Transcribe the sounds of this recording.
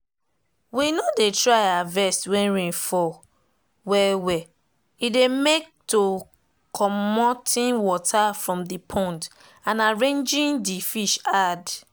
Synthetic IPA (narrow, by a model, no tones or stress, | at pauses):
winɔdetɹaɪavɛstwɛ̃nɹẽnfɔ | wɛwɛ | idemek̚to | kʰɔmmɔtʰĩnwɔtʰafɹɔ̃mdipʰɔ̃nt | ãnaɹẽnd͡ʒĩndifiʃad